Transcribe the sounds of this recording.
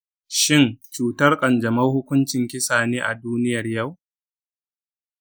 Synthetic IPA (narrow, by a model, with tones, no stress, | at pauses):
ʃɪ˦˨nt͡ʃuː˨tɐ˦rkʼɐ˨nd͡ʒɐ˨mɐ˦hʊ˦kʷʊ˦nt͡ʃɪ˨ŋkʲɪ˦saː˨neː˦ʔa˨duː˦nɪ˦jɐ˨rjɐ˦˨w